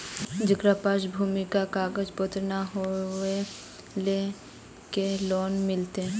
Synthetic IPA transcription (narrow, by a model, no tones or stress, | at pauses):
d͡ʒəɡɾapaːʃbʱuːmikakaːɡəd͡ʒpət̪ɾnaɦoe | le | kelɔːnmɪlt̪eɛ̃